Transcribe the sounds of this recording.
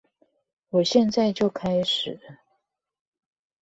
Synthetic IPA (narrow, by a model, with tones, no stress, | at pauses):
wɔ˨˩ɕjɛ˥˧nt͡sa˥˧ɪt͡ɕjo˥˩ʊkʰa˥ɪʂɻ̩˨˩˦